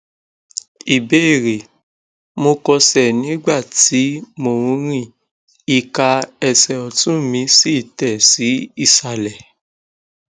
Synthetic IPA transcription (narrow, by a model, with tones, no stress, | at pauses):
i˨be˨˦e˦˨ɾe˨ | mo˧kɔ˧sɛ˨nĩ˨˦ɡ͡ba˦˨ti˨˦mo˨ɾũ˧ɾĩ˦˨ | i˦˧ka˧ɛ˧sɛ˨ɔ˨tũ˦mĩ˧˦si˦˨tɛ˨si˨˦i˦˨sa˨lɛ˨